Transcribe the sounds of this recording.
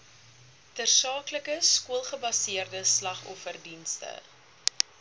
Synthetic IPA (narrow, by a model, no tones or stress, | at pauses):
tərsɑːkləkəskuəlˠχəbɐsiərdəslɐχɔfərdinstə̰